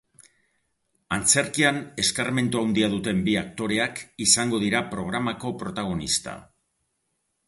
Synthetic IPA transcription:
ant͡se̞ɾkiane̞skarme̞nt̪uawnd̪iaðut̪e̞mbiakt̪o̞ɾe̞akisaŋɡo̞ð̞iɾapɾo̞ɣ̞ɾamako̞pɾo̞t̪aɣ̞o̞nḭst̪a̰

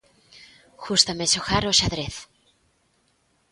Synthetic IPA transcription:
xust̪amesoxaɾoʃaðɾeθ

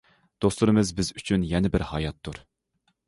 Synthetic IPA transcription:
d̪̥oslˠuɾɨmɨzbɪzyt͡ʃʰynjɛnɪbɪɾhɑjɑt̪ʰːuɾ

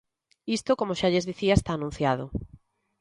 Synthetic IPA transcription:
ist̪okomoʃaʎezðiθiaest̪aːnũn̟θjaðo

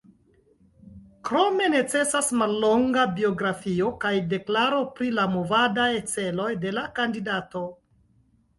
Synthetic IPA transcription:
kɾo̞me̞ne̞t͡se̞sasmalːo̞ŋɡabio̞ɡɾafio̞kajde̞klaɾo̞pɾilamo̞vadajt͡se̞lo̞jde̞lakandidato̞

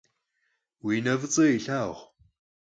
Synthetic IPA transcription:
wiːnɐvɨt͡sʼɐiɬaːʁʷ

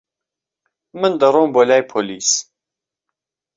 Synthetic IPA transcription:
mɨnd̪əɾˤoːmbolaːjpʰoliːs

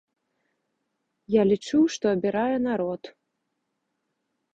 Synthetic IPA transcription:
jalʲit͡ʂuwʂt̪ɔɐbʲiɾajɛnaɾɔt̪

